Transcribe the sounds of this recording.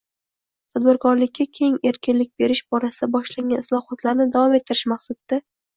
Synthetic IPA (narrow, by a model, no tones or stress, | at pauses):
t̪ʰad̪̚bɪɾkʰɒɾlɪkʲʰːakʲʰe̞ŋe̞ɾkʲɪnlɪk̚ʲbe̞ɾɪʃbɒɾasɪd̪abɒʃlaŋɡʲanɪslˠɒhɒt̪laɾnɪd̪avɒme̞t̪ʰːɪɾɪʃmaχsat̪d̪a